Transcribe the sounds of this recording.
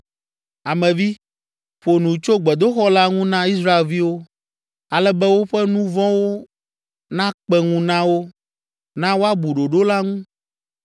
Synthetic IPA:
a˨mɛ̃˨vi˦ | ɸo˨nũ˨t͡ʃo˦ɡ͡bɛ˨d̪o˦xɔ˦la˦ŋũ˦nã˦i˦s̬ɾa˦e˨lvi˦wo˦ | a˨lɛ˦bɛ˦wo˦ɸɛ˦nũ˦vɔ̃˦wo˦ | nã˦k͡pɛ˦ŋũ˦nã˦wo˦ | nã˦wo˦a˦bu˨ɖo˨ɖo˦la˦ŋũ˦

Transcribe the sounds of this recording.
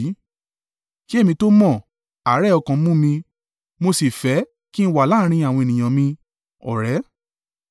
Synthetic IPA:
ki˦e˦˨mĩ˧to˦mɔ̃˦˨ | a˨˦ɾɛ˦˨ɔ˧kã˨˦mũ˦mĩ˧ | mo˧si˨fɛ˨˦ | ki˦n̩˦˧wa˨la˦ɾ̃ĩ˧a˨w̃ɔ̃˧e˨nĩ˨ã˨mĩ˧ | ɔ̰˨ɾɛ˨˦

